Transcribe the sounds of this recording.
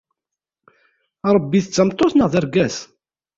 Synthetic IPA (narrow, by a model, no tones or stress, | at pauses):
ɾˤəbːiθət͡sːəmt̪ˤːoθnəʁðəɾɡæs